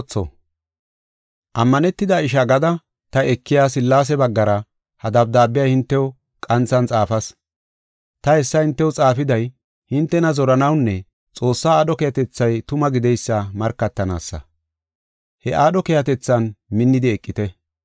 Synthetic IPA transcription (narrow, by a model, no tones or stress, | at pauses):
t͡sːɔ̰ | ʔɐmːɐnɛt̪ːɪd̪aɪʃ̬ɐɡɐd̪ɐ | t̪ɐɛkːɪjaːs̬ɪlːaːs̬ɛbɐɡːɐɾɐ | hɐd̪ɐb̚d̪aːbːɪjaːhɪnt̪ːɛw | kʼɐnt͡sːɐnt͡sʼaːfɐs | t̪ɐhɛsːɐhɪnt̪ːɛwʊt͡sʼaːfɪd̪ɐj | hɪnt̪ːɛnɐzɔɾɐnɐwnːɛ | t͡sʼo̞ːsːaːaːɗɔkejɐt̪ɛt͡sːɐjt̪ʊmɐɡɪd̪ɛjsːɐmɐɾkːɐt̪ːɐna̰ːsːɐ̰ | hɛʔaːɗɔkejɐt̪̬ɛt͡sːɐnmɪnːɪd̪ɪɛkʼːɪt̪ɛ